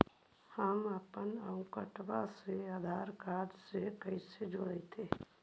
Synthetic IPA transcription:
həməpənəʊ̃kəʈʋaseaːd̪ʱaːɾkaːɾsekəised͡ʒoɽəet̪ʰeː

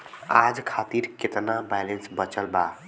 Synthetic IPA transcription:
ad͡ʒkʰat̪iɾket̪nabajlensbət͡ʃəlba

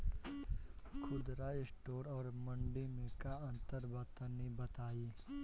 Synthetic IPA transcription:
kʰʊd̪ɾaːsʈoːɾɔːɾmɐ̃ɳɖimẽkaɐ̃nt̪əɾbət̪ənibɐt̪aːiː

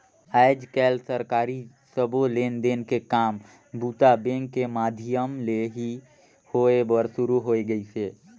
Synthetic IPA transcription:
aːɪd͡ʒkɛːlsəɾkaːɾi | səbʱoleːnd̪eːnkekaːm | buːt̪abẽːŋkːemaːd̪ʱɪjəmleɦi | hoːebəɾsʊɾuɦoːeɡəiseː

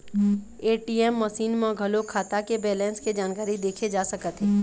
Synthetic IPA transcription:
eːʈiɛmːɐsiːnmɔ̃ɡʱɐlokʰaːt̪akebɛːlɛ̃ːnsked͡ʒaːnkaːɾid̪eːkʰed͡ʒaːsɐkət̪ɦɛ̃ː

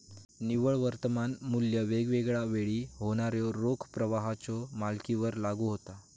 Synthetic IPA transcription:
niʋəɭʋəɾt̪əmanmuljəʋeɡʋeɡɭaʋeɭiːɦoɽ̃aɾjɔɾokʰpɾəʋaɦat͡sɔmalkiʋəɾlaɡuɦot̪a

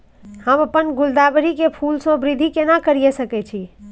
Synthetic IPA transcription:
hə̃məpːənɡuld̪abɾikepʰulsõbɾid̪ʱikenakəɾijesəkɛt͡ʃʰi

